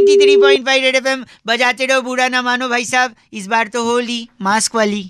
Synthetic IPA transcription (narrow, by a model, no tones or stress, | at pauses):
t̪it̪ʰɾiːpɔːɪ̃ɳʈbajɖeɖefem | bɐd͡ʒaːt̪eɽobuːɽanamaːnobʱaːisaːb | ɪsbaːɾt̪oɦoːliːmaːskʋaliː